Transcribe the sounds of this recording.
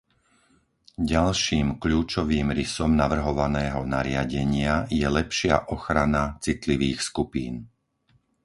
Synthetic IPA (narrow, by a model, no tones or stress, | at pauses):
ɟalʃiːmkʎuːt͡ʃɔʋiːmɾisɔmnaʋr̩ɦɔʋanɛːɦɔna̰ɾɪaɟɛɲɪajɛlɛpʃɪa̰ʔɔxɾanat͡sit̪liʋiːxskupḭːn